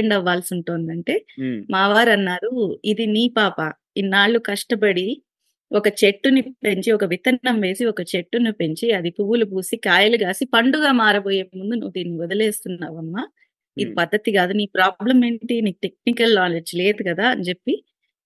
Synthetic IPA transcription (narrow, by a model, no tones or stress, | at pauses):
eɳɖɐʋːaːlsuɳʈoːnd̪ɐɳʈe̞ːmaːʋaːɾɐnːaːɾuid̪iniːpaːpɐ | inːaːɭːukɐʂʈɐbɐɽi | ɔkɐt͡ʃe̞ʈːunipe̞ɲt͡ʃiɔkɐʋit̪ɐːɐmʋe̞ːsiɔkɐt͡ʃe̞ʈːunipe̞ɲt͡ʃiɐd̪ipuʋːulubuːsikaːjɐluɡaːsipɐɳɖuɡaːmaːɾɐboːjeːmund̪unuʋːud̪iːnːiɔd̪ɐleːst̪unːaːʋɐmːa | id̪ipɐd̪ːɐt̪iɡaːd̪uniːpɾaːblɐme̞ːɳʈiniːʈe̞k̚nikɐlnaːled͡ʒle̞ːd̪ukɐd̪aːɐɲd͡ʒe̞pːi